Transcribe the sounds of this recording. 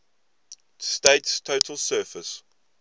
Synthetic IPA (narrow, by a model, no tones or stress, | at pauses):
steɪtstʰoʊtʰəlˠsɜːˑfəs